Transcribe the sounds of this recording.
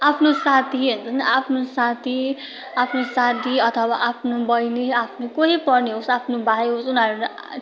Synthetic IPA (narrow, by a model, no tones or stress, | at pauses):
apʰnosat̪ʰiɦunt͡sʰʌnapʰnosat̪ʰi | apʰnosad̪ʱiʌt̪ʰʌwaʔapʰnobʌjneapʰnokʌ̃ɦipʌrneɦosapʰnobʱajɦosunaɾul